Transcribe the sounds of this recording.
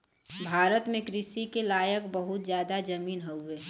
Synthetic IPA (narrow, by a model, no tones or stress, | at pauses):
bʱaːɾət̪mẽkɾɪʃikelaːjəkbəɦʊt̪̚d͡ʒjaːd̪ad͡ʒɐmiːnɦəʊeː